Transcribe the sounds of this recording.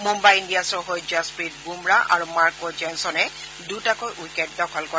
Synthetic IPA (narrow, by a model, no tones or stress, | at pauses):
mumbajindiasɔɦojd͡ʒaspɹit̚bumɹaʔa̰ɹumaɹkɔd͡ʒɛnsɔnɛ | dutakojʔujkɛtːɔkʰɔlkɔ